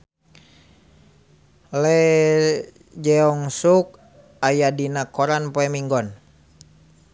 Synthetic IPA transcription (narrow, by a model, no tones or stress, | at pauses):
lɛ | d͡ʒɛɔŋsuk̚ | ajadinakɔɾanpoɛmiŋɡɔn